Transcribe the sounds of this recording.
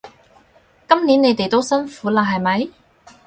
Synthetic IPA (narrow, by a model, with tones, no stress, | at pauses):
kɐ˥mniː˨˥ne˨˧jt̪e˨jt̪o˥wsɐ˥nfuː˨˥laː˨˩ɦɐ˨jmɐ˨˥j